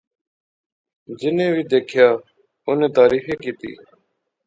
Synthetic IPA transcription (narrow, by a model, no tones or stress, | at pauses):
d͡ʒɪnẽːʋiːd̪eːkʰɪjaː | oːnẽːt̪aːɾiːfeːkiːt̪ḭː